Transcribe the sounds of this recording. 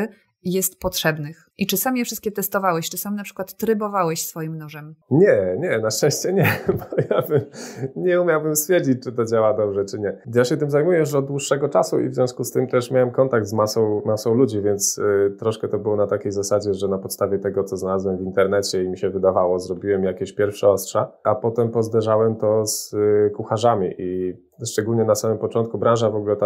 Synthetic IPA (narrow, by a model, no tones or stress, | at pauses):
jɛst̪pɔtʂɛbnɘx | it͡ʂɘsamʲjɛfʂɘst̪kʲɛt̪ɛst̪ɔvawɛɕt͡ʂɘsamʲnapʂɘ̥kwat̪ːɾɘbɔvawɛɕsfɔjimnuʐɛmɲɛɲɛnaʂtɛ̃ɕt͡ɕɛɲɛbɔjabɘmɲɛumʲjawbɘmst̪fʲjɛɾd͡ʑit͡ɕ̚t͡ʂɘt̪ɔd͡ʑawad̪ɔbʐɛt͡ʂɘɲɛjaɕɛt̪ɘmzajmujɛjɛɔd̪̚d̪wuʂːɛɡɔt͡ʂasṵʔḭvzʲjɔ̃w̃skust̪ɘmt̪ɛʂmʲawɛmkɔnt̪aɡd̪zmasɔ̃w̃masɔ̃w̃lud͡ʑivʲjɛnt̪st̪ɾɔʂkɛt̪ɔbɘwɔnat̪akʲejzasad͡ʑɛʐɛnapɔt̪st̪avʲjɛt̪ɛɡɔt̪sɔznalazwɛmvint̪ɛɾnɛt͡ɕɛimʲiɕɛvɘd̪avawɔzɾɔbʲiwɛmjakʲeɕpʲjɛɾfʂɛɔstʂaapɔt̪ɛmpɔzd̪ɛʐawɛmt̪ɔskuxaʐamʲḭʔi | ʂt͡ʂɛɡulɲɛnasamɘmpɔt͡ʂɔ̃nt̪̚kubɾãʐavɔɡulɛt̪